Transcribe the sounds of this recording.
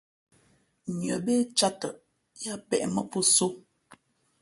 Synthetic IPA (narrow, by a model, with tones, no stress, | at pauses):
ɲjə˨be˦t͡ʃa˦tə˨ | ja˦pɛ̰˨ʔmə˦po˦so˦